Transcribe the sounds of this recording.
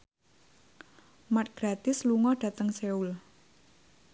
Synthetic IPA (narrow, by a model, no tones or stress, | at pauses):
mat̪̚ɡ̥ɾat̪ɪsluŋɔɖ̥ä̤t̪əŋseul